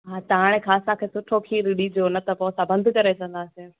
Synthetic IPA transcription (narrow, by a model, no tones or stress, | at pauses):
ɦaːt̪ɐaɽ̃ẽkʰaːsãkʰeːsʊʈʰokʰiːɾɪɗid͡ʑoːnɐt̪ɐpõsãbə̃nd̪ʱkɐɾet͡ɕɐ̃ən̆d̪aːse